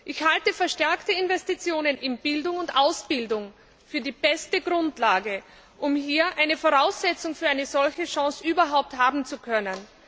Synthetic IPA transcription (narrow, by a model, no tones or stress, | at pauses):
ʔɪçhaltəfɛɐʃtɛɐktəɪnvɛstit͡sjoːnənɪnb̥ɪldʊŋʊntʔaʊsb̥ɪldʊŋ | fyːɐdiːb̥ɛstəɡʁʊntlaːɡə | ʔʊmhiːɐʔaɪnəfoʁaʊsz̥ɛt͡sʊŋfyːɐʔaɪnəzɔlçəʃɑ̃ŋsʔyːbɐɦaʊp̚thaːbm̩t͡sukʰœnən